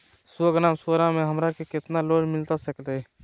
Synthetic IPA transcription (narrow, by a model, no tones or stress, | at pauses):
swəɡnaːmsoɾamẽɦəmɾakekɪt̪naloːɽmɪlt̪asəkleɦɛ